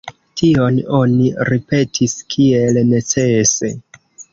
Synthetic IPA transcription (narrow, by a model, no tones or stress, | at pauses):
tʰio̞no̞niɾipe̞tʰiskʰie̞lne̞t͡sese̞̰